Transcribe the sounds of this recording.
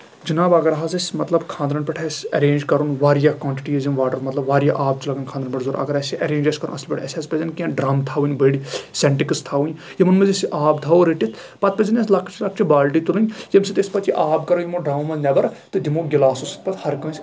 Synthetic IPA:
d͡ʒinaːbɐɡɐɾɦaːzɐsʲmɐt̪lɐbkʰãːnd̪ɾɐɳpʲɛʈʰɛsʲɐɾẽːnd͡ʒkɐɾunʋaːɾijakwãːɳʈiʈijɐzinʋaːʈɐɾmɐt̪lɐbʋaːɾijaʔaːb̚t͡ʃʰlɐɡɐnkʰãːnd̪ɾɐɳpʲɛʈʰzoːɾɐ̰ɡɐɾɐsiʔɐɾeːnd͡ʒɐskɐɾṵnɐslpʲɛʈʰɛsʲɐspɐzʲɐnkʲãːɖɾaːmt̪ʰaːʋunʲbəɽisɛɳʈikəst̪ʰaːʋunʲ | jɐmɐnmɐzɐsiʔaːbt̪ʰaːoɾiʈit̪ʰ | pɐt̪̚pɐzɐnʲeslɐkʰːt͡ʃʰilɐk̚t͡ʃʰibaːlʈit̪ulunʲjɐmsit̪esʲpɐt̪t͡ʃiʔaːb̚kɐɾoːjimoɖɾaːmmɐznʲɐbɐɾt̪ɨd̪imoːɡɪlaːsusi̥t̪̚ʰpɐt̪ʰhɐɾkɐ̃ːsʲ

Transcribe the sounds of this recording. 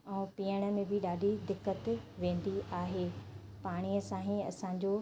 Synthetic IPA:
ɛ̃ːpiːəɽ̃ə̆mẽbʱɪɗaːɖʱid̪ɪkːət̪ʋẽːn̆d̪iʔaːɦeː | paːɽ̃iəsãːɦĩɐ̰sãɲd͡ʑo

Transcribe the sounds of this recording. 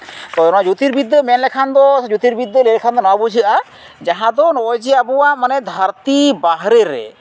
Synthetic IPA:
t̪ɔnad͡ʒut̪iɾbid̪ːəmɛnlɛkʰand̪ɔd͡ʒut̪iɾbid̪ːəlɛlkʰand̪ɔnabud͡ʒiʔa | d͡ʒaɦãd̪ɔnɔjd͡ʒiabuwamanɛd̪ʱaɾt̪ibaɦɾɛɾɛ̰

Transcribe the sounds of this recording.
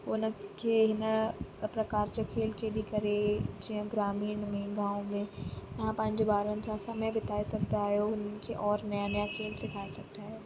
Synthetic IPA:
ʊnəkʰeɦɪnəpɾɐkaːɾd͡ʑokʰeːlkʰeːɗikɐɾed͡ʑiɦə̃ɡɾaːmiːɽ̃mẽɡãːõmẽt̪ɐɦãpɐ̃ɦɪ̃ɲd͡ʑobaːɾənɪ̆sãsɐmebɪt̪aːisɐɡ̚t̪aɦjoʊnkʰeʔɔːɾnɐjãnjãkʰeːlsekʰaːisɐɡ̚t̪aɦɛeː

